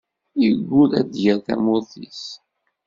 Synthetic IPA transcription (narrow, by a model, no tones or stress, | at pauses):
jəɡʷːulæd̪jəɾθæ̰mʊθis